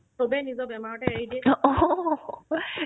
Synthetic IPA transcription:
obɛnizɔbɛmaɹɔʈɛaɦidieɔ

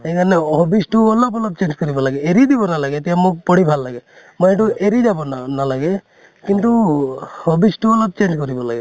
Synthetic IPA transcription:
ekʰanɛɦɔbisʈuɔlɔbɔlɔb̚t͡ʃend͡ʒkɔɾibɔlaɡeeɾid̪ibɔnalaɡet̪ijamuk̚pɔɽibʱalːaɡɛ | mɔeʈ̬uʔeɾid͡ʒabɔnanalaɡe | kint̪uhɔbisʈuɔlɔb̚t͡ʃend͡ʒkɔɾibɔlaɡe

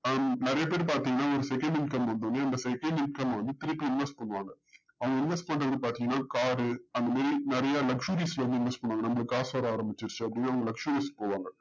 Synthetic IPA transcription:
nɪɾɐjɐpeːɾpaːɾt̪iːŋɡɐnːaːɔɾɯsɛkɐɳɖɪnkɐmʋɐnd̪onːeɐnd̪ɐsɛkɐɳɖɪɳɖ̚kɐmːʋɐnd̪ɯt̪ɪɾɯpːiɪnʋɐsʈ̚pɐɳːɯʋaːŋɡɐ | ɐʋɐŋɡɐɪnʋɛsʈpɐɳrɐʋɐɾɯpaːɾt̪iːŋɡɐnːaːkaːɾɯɐnd̪ɐmaːd̪ɾinɪɾɐjaːlɐkʂuɾiːslɐʋɐnd̪ɯɪnʋɛsʈpɐɳːʋaːŋɡɐnɐmːɐɭɯkːaːsaːɾaːɾɐmbɪt͡ʃːɪɾt͡ʃːɯɐpːɐɽɪinːaːɐʋɐŋɡɐlɐkʂuɾiːspoːʋaːŋɡɐ

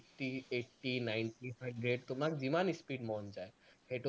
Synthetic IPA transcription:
ʈieʈʈːinajɳʈiɦaɳɖɾeɖ̚t̪omakd͡ʑimanispiɖmɔnd͡ʒaehʰeʈo

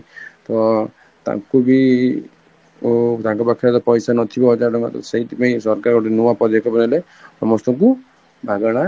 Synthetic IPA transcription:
t̪ɔ | t̪a̰ŋkubi | t̪aŋkɔpakʰjat̪ɔpɔjsanɔt̪ʰibɔd͡ʒaʈɔŋkɔ̰t̪seit̪ipaĩsɔɾkaɾkɔʈinuwapɔd̪ekʰɔbɔnale | sɔmɔst̪ɔŋku | bʱaɡɔɽ̃a

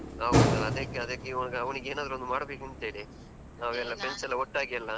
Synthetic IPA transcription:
aːʋd̪ɐɐd̪ekːeɐd̪ekːeʋɐnɡeɐʋɐniɡeːnaːd̪ɾuond̪umaːɽbeːkint̪eːɽi | aːʋɛlːɐpensɛlːɐɔʈːaːɡijɐlːɐ

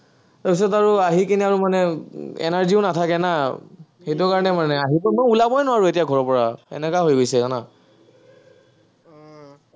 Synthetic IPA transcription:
taɹpis̬ɔtaɹuaɦikiniaɹumanɛɛ̰naɹziʊnatʰakɛna | xejt̬ʊkaɹɔnɛmanɛaɦibɔmojulabɔjnʊwaɹuetijaɡʱɔɹɔpɔɹaɛ̰nɛkaɦojɡojsɛkana

